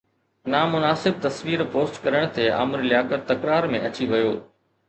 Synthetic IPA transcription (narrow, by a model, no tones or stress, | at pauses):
namʊnaːsɪb̚t̪ɐsʋiːɾpoːsʈkɐɾəɽ̃t̪ʰeːa̰ːmɾilɪjaːkəɾt̪ɐkɾaːɾmẽʔɐt͡ɕiʋɐjoː